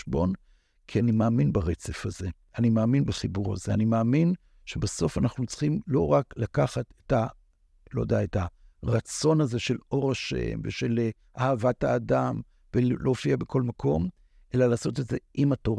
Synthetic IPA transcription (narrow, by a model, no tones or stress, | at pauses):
ʃbo̞n | kʰianimaːminbaʁet͡se̞faze̞ | animaːminbaχibuʁa̰ze̞animaːmin | ʃebaso̞fanaχnut͡sχimlo̞ʁaklakaχateta | lod̪eaetaʁat͡so̞naze̞ʃe̞lo̞ʁaʃḛmveʃe̞l | ʔahavathaːdam | velʔoːfiabekʰo̞lmakʰo̞m | ʔe̞lalaːso̞t̬etze̞ʔimatoʁ